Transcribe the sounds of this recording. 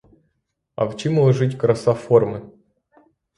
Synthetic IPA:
ɐ̰wt͡ɕimlˠɐʐɨtʲkɾɐsaformɨ

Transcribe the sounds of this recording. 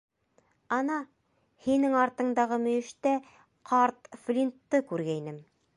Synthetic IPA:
ɑnɑ | hinɘŋɑɾt̪ɤ̆ɴd̪ɑʁɤmɵ̆jɘ̆ʃt̪æ | qʰɑɾt̪flʲint̪ːɤkʉɾɡæinɘm

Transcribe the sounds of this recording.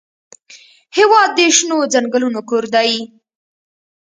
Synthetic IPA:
hɪwɑd̪̚ːəʃnod͡zaŋɡəlunokoɾd̪ɑji

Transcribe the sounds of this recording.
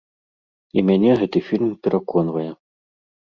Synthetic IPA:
imʲanʲɛɣɛt̪ɨfʲilʲmpʲɛɾʔakɔnvɐjɛ

